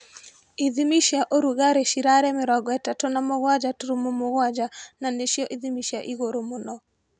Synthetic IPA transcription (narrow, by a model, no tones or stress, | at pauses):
iðimiʃjaʔoɾuɣaɾeʃiɾaɾɛmɪɾɔɡɔɛtatonamɔɣwad͡ʒatuɾumomoɣwad͡ʒananeʃjɔʔiðimiʃjaʔiɣoɾomʊnɔ